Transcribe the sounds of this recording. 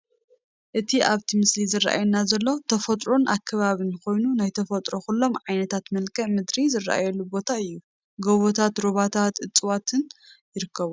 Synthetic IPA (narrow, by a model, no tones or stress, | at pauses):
ʔɨt̪ʰiʔaβt̪ʰimɨslizɨrːa̰ʔa̰jnːazɐlːo̞t̪ʰɐfɐt̪ʼɾonʔakʰːɐβaβɨnko̞jnunajt̪ʰɐfɐt̪ʼɾoxulːo̞mʕajnɐt̪ʰat̪mɐlkʰʼɐʔmɨd̪ɾizɨrːa̰ʔa̰jɛlːubo̞t̪ʰaɨjːu | ɡoβot̪ʰat̪ɾoβat̪ʰat̪ʔɨt͡sʼɨwat̪ʰɨnjɪɾɨkʰːɐβu